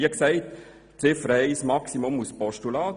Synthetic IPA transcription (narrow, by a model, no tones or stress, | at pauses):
əksɛɪt̪ | t͡sɪfɾəhɛɪsmɑksimʊmuspɔʃtulɑː